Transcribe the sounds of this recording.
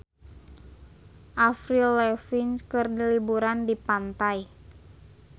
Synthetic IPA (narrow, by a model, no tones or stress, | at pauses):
ʔafɾilɛfinkɨrdilibuɾandipant̪aj